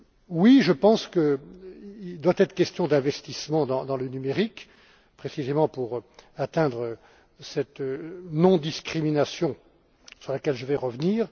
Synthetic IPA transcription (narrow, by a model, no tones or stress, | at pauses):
wiʒəpɑ̃skə | ild̪wat̪ɛt̪χə̥kʲɛst̪jɔ̃d̪ɛ̃vɛst̪ismɑ̃d̪ɑ̃d̪ɑ̃lənymeʁik | pχesizemɑ̃puʁat̪ɛ̃d̪ʁə | sɛt̪nɔ̃d̪iskχiminasjɔ̃ | syʁlakʲɛlʒəvɛʁəvniːʁ